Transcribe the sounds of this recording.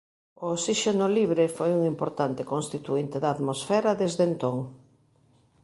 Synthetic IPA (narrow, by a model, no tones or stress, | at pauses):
oosiʃenoliβɾefojuŋimpoɾt̪ant̪ekoŋst̪it̪uint̪eðaðmosfɛɾaðezðent̪oŋ